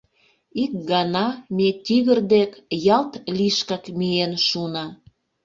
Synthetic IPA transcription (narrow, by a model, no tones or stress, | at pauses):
ik̚ɡɑnɑmet̪ʲiɣərd̪ekjɑlt̪liʃkɑkmienʃunɑ